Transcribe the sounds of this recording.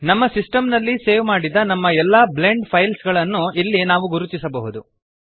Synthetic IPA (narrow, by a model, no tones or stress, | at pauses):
nɐmːɐsisʈɐmnɐlːiseːʋmaːɽid̪ɐnɐmːɐɛlːɐbleɳɖpʰɐjlsɡɐɭɐnːuilːinaːʋuɡuɾut̪isɐbɐɦud̪u